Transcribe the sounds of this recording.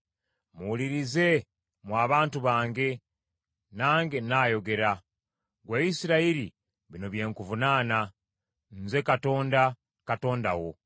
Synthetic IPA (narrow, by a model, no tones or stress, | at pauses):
muliɾize̞ | mwaːβaːntuβaːŋɡe̞ | naːŋɡenaːjo̞ɡe̞ɾa | ɡwaisiɾaiɾi | βino̞βje̞ːŋkuvunaːna | nze̞kato̞ːnda | kato̞ːndawo̞